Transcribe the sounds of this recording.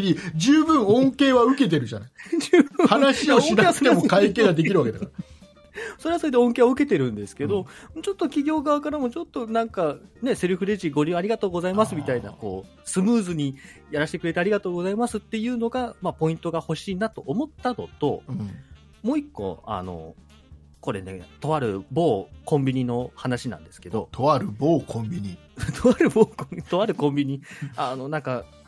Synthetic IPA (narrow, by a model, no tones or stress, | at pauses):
ɲid͡ʑɨːbɯ̟̃ɰ̃õ̞ŋke̞ːβaɯ̟ke̞t̪̬e̞ɾɯ̟ʑanad͡ʑɯːbɯhanaɕiiinasemokaikeːɡad̪e̞k̬ʲiɾɯβaked̪akaɾ | so̞ɾe̞aso̞ɾed̪eõ̞ŋkeːβaɯ̟k̬e̞t̪e̞ɾɯ̟̃nd̪e̞sɨ̥ke̞d̪o̞moːt͡ɕo̞t̪ːo̞kʲiɡʲo̞ːɡaβakaɾamo̞t͡ɕo̞t̪ːo̞nãŋkane̞se̞ɾɯ̟ɸɯ̟ɾeʑiɡo̞ɾʲɯ̃aɾʲiɡat̪o̞ːɡo̞zaimasɨmʲit̪aina̰ko̞̰ː | sɨmɯːzɨɲ̟ijaɾaɕi̥t̪ekɯ̟ɾe̞t̪aːɾʲiɡat̪o̞ːɡo̞zaimasɨt̪ːe̞jɯ̟ːno̞ɡamapo̞ĩnt̪o̞ɡaho̞ɕiːnat̪o̞ʔːmo̞t̪ːano̞t̪o̞ | mo̞ːikːo̞̰a̰no̞̰ | ko̞ɾe̞ne̞̰t̪o̞βaɾɯ̟bo̞ːkõ̞mbʲiɲ̟ino̞hanaɕinã̰nd̪e̞sɨ̥ke̞d̪o̞̰t̪ʰoaɾɯ̟boːkʰõmbʲiɲi | t̪ʰoβaɾɯ̟boːkõt̪o̞βaɾɯ̟kõ̞mbʲiɲ̟iano̞nãŋka